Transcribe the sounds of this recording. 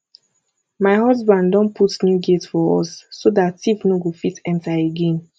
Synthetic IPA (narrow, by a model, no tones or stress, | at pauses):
maɪɦɔzbãndɔ̃npʰutnjuɡetfɔɔ̰sːodatifnoɡofitɛ̃ntaeɡẽn